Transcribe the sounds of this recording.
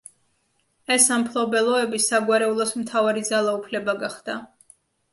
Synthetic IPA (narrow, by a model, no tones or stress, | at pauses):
ɛsampʰlˠɔbɛlˠɔɛbisaɡwaɾɛulˠɔsmt̪ʰavaɾid̪zalˠaupʰlɛbaɡaχd̪a